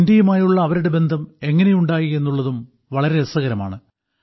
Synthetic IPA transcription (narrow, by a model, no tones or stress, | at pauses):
ndijumaːjuɭːɐːʋɐɾuɽe̞be̞nd̪ʱɐme̞ŋːɐne̞juɳɖaːjie̞nːuɭːɐðum | ʋɐɭɐɾe̞ːsɐɣɐɾɐma̰ːɳɨ